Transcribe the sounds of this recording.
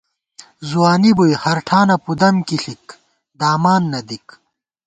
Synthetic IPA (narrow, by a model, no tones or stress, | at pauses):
zuwaːnibujhɐɾʈʰaːnɐpud̪ɐmkiɬik | d̪aːmaːnːɐd̪ik